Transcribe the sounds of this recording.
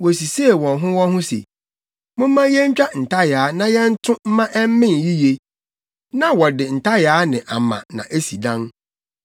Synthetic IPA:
wo˨si˨se˦˨wɔ̃˨nɦʊ̃˦wɔ̃˦ɦʊ̃˦sḛ˨ | mʊ̃˦mː˦ã˦jɛ˦ɲ̩˦t͡ɕᶣa˦n̩˨ta˦jaː˨˦nã˦jɛ˦n̩˦tʰʊ̃˦m̩˦mã˦ʔɛ˦m̩˦mɪ̃˦n˨ji˦je˦ | nã˦wɔ˨dɪ˨n̩˨tʰa˦jaː˨˦nɪ̃˨ʔa˨mã̰˨nã̰˨ʔe˦si˨dã˦n

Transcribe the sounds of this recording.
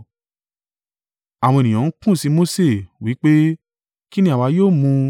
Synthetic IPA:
a˨w̃ɔ̃˧e˨nĩ˨ã˨˦kũ˦˨si˧˦mo˦se˦˨wi˨˦k͡pe˦ | ki˦nĩ˦a˨wa˧joː˦˨mũ˧

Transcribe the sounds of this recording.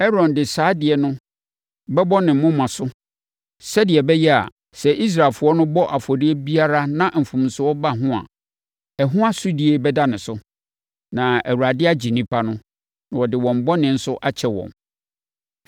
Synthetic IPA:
ɛ˦ɾɔ̃˨ndɪ˨saː˨˦dɪ˨ɛ˨nʊ̃˦ | bɛ˦bɔ˦nɪ̃˨m̩˦mʊ̃˦mã˨sʊ˦ | sɛ˦dɪ˨ɛ˨bɛ˦jɛ˦a̰˨ | sɛ˨ʔi˦s̬ɾa˨lfʊ˨˦ɔ˦nʊ̃˦bɔ˦ʔa˨fɔ˨di˦ɛ˦bi˦a˦ɾa˦nã˨m̩˨fũ˨m˨sʊ˨ɔ˦ba˦ɦʊ̃˦a̰˨ | ɛ˨ɦʊ̃˦a˦sʊ˦di˨˦e˦bɛ˦da˦nɪ̃˨sʊ˦ | nã˨æ˨wu˨ɾa˨dɪ˦a˦d͡ʑi˨nĩ˦pʰa˦nʊ̃˦ | nã˨wɔ˨dɪ˨wɔ̃˨m˨bɔ˦nɪ̃˨n̩˦sʊ˦ʔa˦t͡ɕʰɛ˨wɔ̰̃˨m

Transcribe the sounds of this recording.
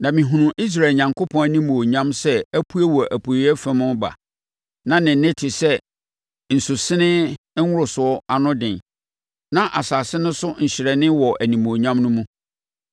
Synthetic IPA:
nã˨mĩ˨ɦũ˨nũ˨ʔi˦s̬ɾa˨ɲã˨ŋkʰo˦pʰɔ̃˦æ˦nĩ˦moː˨ɲã˦msɛ˦æ˦pʰu˦æ˦wɔ˨ʔæ˨pʰu˨i˦ɛ˦fɛ̃˦mʊ̃˦ba̰˨ | nã˦nɪ̃˨˦ɪ̃˦tʰɪ˨sɛ˦ | n̩˨su˨sɪ˦nɪ̃˦ | ʊ˦ɾʊ˨sʊ˨ɔ˦a˨nʊ̃˦dɪ̃˨n | nã˦ʔa˨saː˨sɪ˦nʊ̃˦sʊ˦ɲ̩˨ɕɪ˨ɾɛ˨nɪ̃˦wɔ˨ʔæ˨nĩ˨mo˨ɲã˦mnʊ̃˦mũ˦

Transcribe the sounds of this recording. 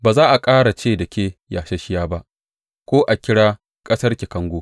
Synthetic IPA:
baː˨zaː˦ʔa˨kʼaː˦ɽa˨t͡ʃeː˦˨dɐ˨kʲeː˦jaː˨ʃɐ˦ʃɪ˦jaː˦ba˦ʔ | kʷoː˦ʔa˨kʲɪ˦ɽaː˦ | kʼɐ˦sɐ˦rkʲi˨kɐ˦ŋɡʷoː˦

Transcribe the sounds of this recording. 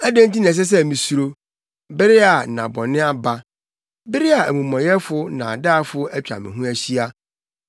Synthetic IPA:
æ˦dæ̃˦n˦ti˦nɛ̃˨s̬ɛ˦s̬ɛ˦˨mĩ˨su˨ɾo˦ | bɪ˦ɾɪ˦a˨nã˨bɔ˨nɪ̃˦a˦ba˦ | bɪ˦ɾɪ˦a˨æ˨mũ˨mɔ̃˨jɛ˦fʊ˦nã˨a˨daː˦˨fʊ˦æ˦t͡ɕᶣa̰˨mɪ̰̃˨ɦũ˦æ˦ɕi˦a˦

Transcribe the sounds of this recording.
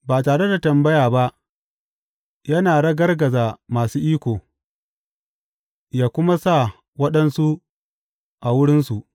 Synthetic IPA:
baː˨taː˨ɽe˦da˨tɐ˨mbɐ˦jaː˨ba˦ʔ | jɐ˦naː˨ɽɐ˦ɡɐ˦rɡɐ˨zaː˨maː˨suː˦ʔiː˦kʷoː˨ | jaː˦kʷʊ˦ma˦sa˦˨ | wɐ˦ɗɐ˦nsu˦ | ʔa˨wʊ˦ɽɪ˦nsu˨ʔ

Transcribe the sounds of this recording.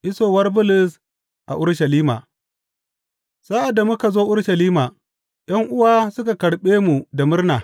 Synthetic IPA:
ʔɪ˦soː˨wɐ˦rbʊ˦lʊ˨s | ʔa̰˨ʔʊ˦ɽʃɐ˨liː˦ma̰ː˨ | saː˦ʔa˨dːa˨mʊ˦ka˨zoː˦ʔʊ˦ɽʃɐ˨liː˦maː˨ | j̰ɐ˦ŋʔʊ˦waː˦sʊ˦ka˨kɐ˨ɽɓeː˦mu˨da˨mʊ˦rnaː˨

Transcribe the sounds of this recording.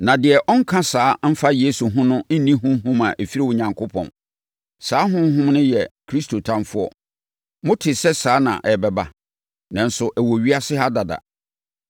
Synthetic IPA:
nã˨dɪ˨ɛ˨ʔɔ˦ŋ̩˦kʰã˦saː˨˦m̩˦fa˦je˦su˨ɦʊ̃˦nʊ̃˦n̩˦nĩ˦ɦʊ̃˦m˦ɦʊ̃˦mã˨ʔe˨fi˦ɾi˦wʊ˨ɲã˨ŋkʰʊ˦pʰɔ̰̃˨n | saː˦ɦʊ̃˦m˦ɦʊ̃˦mnʊ̃˦jɛ˨kʰɾi˦stʰo˨tʰã˦mfʊ˦ɔ̰˨ | mʊ̃˦tʰɪ˨sɛ˦saː˨˦nã̰˨ʔɛ˨bɛ˨ba̰˦ | nã˨n̩˨sʊ˨ʔæ˨wo˨ɥi˦a˦sɪ˦ɦa˦da˨da̰˨

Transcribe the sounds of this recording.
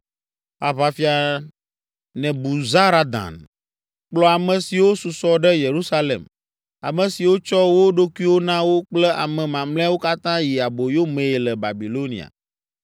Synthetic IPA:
a˨βa˨fi˦a˨ | nɛ̃˨bu˨za˦ɾa˦d̪ã̰˨n | k͡plɔ˦a˨mɛ̃˨si˨wo˦su˨sɔ˦ɖɛ˦je˨ɾu˦sa˦lḛ˨m | a̰˨mɛ̃˨si˨wo˦t͡ʃɔ˦wo˦ɖo˦kwi˦wo˦nã˦wo˦k͡plɛ˦ʔa̰˨mɛ̃˨mã˨mlɛ̃˦wo˦ka˦t̪ã˦ji˨a˨bo˨jo˦mẽ˨e˨lɛ˨ba̰˨bi˨lo˦nḭ˨a̰˨

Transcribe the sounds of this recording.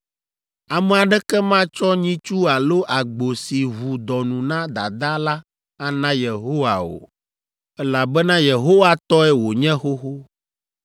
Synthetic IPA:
a˨mɛ˨a˨ɖɛ˦kɛ˦mã˦t͡ʃɔ˦ɲĩ˦t͡ʃu˦a˨lo˦ʔa˨ɡ͡bo˨si˨βu˨d̪ɔ˨nũ˨nã˦d̪a̰˨d̪a˦la˦ | a˦nã˦je˨ɦo˦wa˨o̰˨ | ɛ˦la˨bɛ˦nã˦je˨ɦo˦wa˦t̪ɔ˦ɛ˦wo˨ɲɛ̃˦xo˦xo˦

